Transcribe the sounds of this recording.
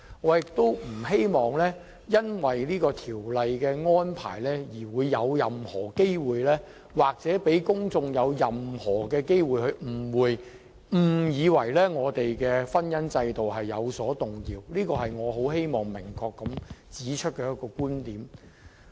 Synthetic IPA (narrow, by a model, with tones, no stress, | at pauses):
ŋɔː˨˧jɪ˨k̚t̪o˥wm̩˨˩he˥jmɔː˨˩ŋlɛː˥ | jɐ˥nwɐ˨jliː˥kɔː˧t̪ʰiː˨˩wlɐ˨jkɛː˧ŋɔː˥npʰa̰ː˨˩jlɛː˥jiː˨˩wuː˨˧jːɐ˨˧wjɐ˨mhɔː˨˩ke˥jwuː˨jlɛː˥ | waː˨k̚t͡sɛː˨˥pe˨˥jkʊ˥ŋt͡sʊ˧ŋjɐ˨˧wjɐ˨mhɔː˨˩kɛː˧ke˥jwuː˨jhɵ˧ɥm̩˨˩wuː˨˧j | m̩˨˩jiː˨˧wɐ˨˩jlɛː˥ŋɔː˨˧t̪e˨jkɛː˧fɐ˥njɐ˥nt͡sɐ˧jt̪o˨wɦɐ˨jːɐ˨˧wsɔː˨˥t̪ʊ˨˩ŋjiː˨wliː˥kɔː˧ɦɐ˨jŋɔː˨˧ɦo˨˥whe˥jmɔː˨˩ŋmɪ˨˩ŋkʰɔː˧kːɐ˨˥mt͡siː˨˥t͡ʃʰɵ˥t̚kɛː˧jɐ˥t̚kːɔː˧kuː˥nt̪iː˨˥m